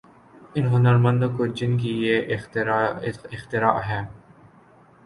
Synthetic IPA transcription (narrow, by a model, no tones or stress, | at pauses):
ɪnɦʊnəɾmɐ̃nd̪okoɾd͡ʒɪnk̬ijeʔ | ɪxt̪ɪɾaːʔɦɛː